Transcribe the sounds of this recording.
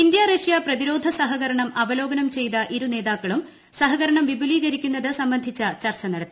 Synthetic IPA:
ind̪jaːreʂjaprɐðiɾo̞ːd̪ʱɐsɐɦɐɣɐɾɐɳɐmɐʋɐlo̞ːɡɐnɐmt͡ɕe̞jt̪ɐʔiɾune̞ːðaːkːɐɭum | sɐɦɐɣɐɾɐɳɐmʋibʱuliːɣɐɾikʲːunːɐðɨsɐmbɐnd̪ʱit͡ɕːɐt͡ɕɐrt͡ɕɐnɐɽɐt̪ːii

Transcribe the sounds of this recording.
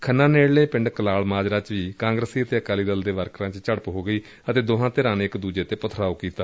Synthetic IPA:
kʰənːãːneːɽleːpɪ̃ɳɖkəlaːlmaːd͡ʒɾaːt͡ʃʋiːkãːŋɡɾəsiːət̪eːəkaːliːd̪əld̪eːʋəɾkʰɾãːt͡ʃt͡ʃəɽəpɦoːɡəiː | ət̪eːd̪oːɦãːt̪eɾãːneɪkd̪uːd͡ʒeːt̪eːpət̪ʰɾaːoːkiːt̪aː

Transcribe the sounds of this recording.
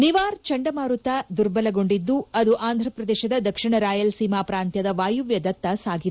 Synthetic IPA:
niʋaːɾt͡ʃɐɳɖɐmaːɾut̪ad̪uɾbɐlɐɡo̞ɳɖid̪ːuɐd̪uʔaːnd̪ʱɾɐpɾɐd̪ɛːʃɐd̪ɐd̪ɐkʂiɳɐɾaːjɐlsiːmaːpɾaːnt̪jɐd̪ɐʋaːjuʋjɐd̪ɐt̪ːɐsaːɡi

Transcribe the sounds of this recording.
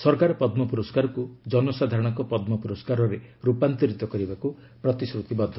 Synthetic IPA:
sɔɾkaɾɔpɔd̪mɔpuɾɔskaɾɔkud͡ʒɔnɔsad̪ʱaɾɔɽ̃ɔkɔpɔd̪mɔpuɾɔskaɾɔɾeɾupant̪iɾit̪ɔkɔɾibaku | pɾɔt̪isɾut̪ibɔd̪ʱːɔ

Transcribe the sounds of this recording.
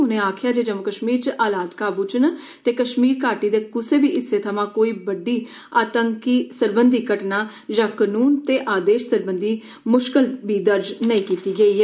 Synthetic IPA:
ʊnẽːaːkʰjaːd͡ʒeːd͡ʒəməkəʃmiːɾt͡ʃʔaːlaːd̪kaːbʊt͡ʃən | t̪eːkəʃmiːɾkaːʈiːd̪eːkʊseːbiːʔɪsːeːt̪ʰəmãːkoːiːbəɖiː | aːt̪əŋkiːsəɾbənd̪ʱiːkəʈnaː | d͡ʒãːkənuːnt̪eːʔaːd̪eːʃsəɾbənd̪iː | mʊʃkəlbiːd̪əɾd͡ʒnəĩːkiːt̪iːɡəiːɦɛː

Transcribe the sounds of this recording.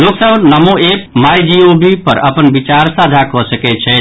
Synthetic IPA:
joɡsəbnəmoepmajd͡ʒiobipəɾəpənbit͡ʃaɾsad̪ʱakɔsəkɛt͡ʃʰɛ

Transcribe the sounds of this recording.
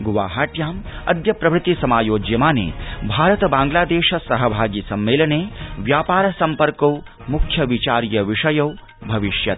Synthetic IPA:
ɡuʋaːɦaːʈjaːm | ɐ̰d̪jɐpɾɐʋɾɪt̪isɐmaːjoːd͡ʒjɐmaːnḛːbʱaːɾɐt̪ɐbaːŋɡlaːd̪eːʃɐsɐɦɐbʱaːɡisɐmːeːlɐneːʋjaːpaːɾɐsɐmpɐɾkɐw | mukʰjɐʋit͡ʃaːɾjɐʋiʂɐjɐw | bʱɐʋiʃjɐt̪̚

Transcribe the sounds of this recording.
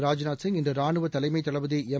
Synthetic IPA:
ɾaːd͡ʒɪnaːsɪŋɡɪndrɯɾaːɳɯʋɐt̪ɐlɐɪmɐɪt̪ːɐɭɐʋɯðɯɛ

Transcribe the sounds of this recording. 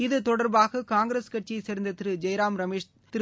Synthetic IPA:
ɪðɯt̪ɔɽɐɾbaːɣɐkaːŋɡɪɾeːskɐʈ̚t͡ʃiɐɪsɛɾɐnd̪ɐt̪ɪɾɯd͡ʒɐjɾaːmɾɐmeːʂ | t̪ɪɾ

